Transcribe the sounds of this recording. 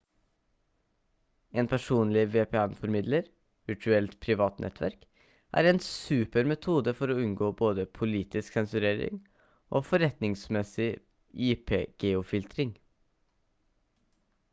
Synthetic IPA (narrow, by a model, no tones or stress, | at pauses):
eːnpʰæʂuːnlɪʋeːpʰeːɛnfɔɾmɪd̪ləɾ | ʋɪʈʉɛlt̪pʰɾɪʋɑːt̪nʔɛ̰t̪ʰʋæ̰ɾk | ʔæ̰ːɾeːnsʉːpəɾmɛt̪ʰuːd̪əfɔɾoːʉnɡoːboːd̪əpʰʊliːt̪ɪsksɛnsʉɾeːɾɪ̰ŋ | ʔoːfɔɾɛt̪nɪŋsmɛsɪ | ʔiːpʰeːɡ̥eːʊfɪlt̪ɾɪŋ